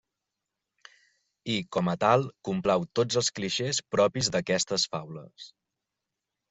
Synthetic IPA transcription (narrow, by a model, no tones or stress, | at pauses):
ikɔmət̪alˠkumplɛwt̪od͡zəlˠskliʃespɾɔpizd̪əkɛst̪əsfawləs